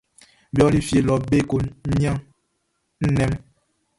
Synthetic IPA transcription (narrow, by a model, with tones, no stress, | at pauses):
bjɔ˦li˦fje˨lɔ˨be˦˨ko˨˦ɲ˦a˦ | n̩˦nɛ˦m